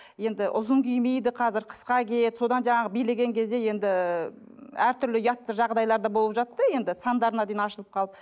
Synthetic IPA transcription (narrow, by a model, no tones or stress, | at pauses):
je̞nd̪ɪʔʊ̰zəɴkʲʰijmejd̪ɪqʰɑzɪɾqʰə̥sqɑkʰʲet̪so̞d̪ɑnʒɑɴɑʁəbijle̞ɡʲe̞ŋkʲʰe̞zd̪e̞je̞nd̪ɪ | æɾt̪ʰʏɾlɪjɑt̪ːəʒɑʁd̪ɑjlˠɑɾd̪ɑbo̞lˠəpʒɑt̪ːəje̞nd̪ɪsɑnd̪ɑɾənɑd̪ejnɑʃəlˠəp̚qʰɑlˠəp